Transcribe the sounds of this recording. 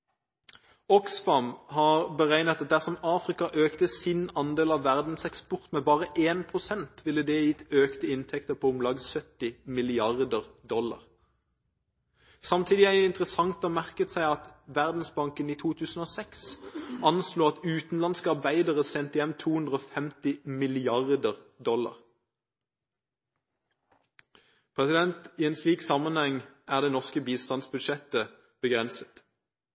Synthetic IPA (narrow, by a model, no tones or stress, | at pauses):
ɔksfɑmhɑʁbəʁæɪnət̪ɑt̪̚d̪æʁsɔmɑːfʁɪkɑʔøːkt̪əsɪnɑnd̪eːlɑʋʋæʁd̪n̩sɛkspɔʁt̪mɛbɑːʁəʔeːnpʰʁʊsɛnt̪ʋɪlːəd̪ɛjɪt̪ːøːkt̪əɪnt̪ʰɛkt̪əpʰɔʊmlɑɡsœt̪ːɪmɪlɪɑʁd̪əʁd̪ɔlːɑ̰ʁ | sɑmt̪ʰiːd̪ɪæɪnt̪ʁəsɑŋt̪ɔːmæʁkət̪sæɪɑt̪ʋæʁd̪n̩sbɑŋkəniːt̪ʰuːt̪ʰʉːsn̩oːsɛksɑnsluːɑt̪ʉːt̪n̩lɑnskəɑʁbæɪd̪əʁəsɛnt̪əjɛmt̪ʰuːhʉnd̪ʁəoːfɛmt̪ɪmɪlɪɑʁd̪əʁd̪ɔlɑ̰ʁ | pʰʁɛsɪd̪ɛnt̪iːeːnsliːksɑmənhɛŋæːʁd̪eːnɔʁskəbiːst̪ɑnsbʉd̪ʃɛt̪ə | b̥əɡʁɛnsə̥t̪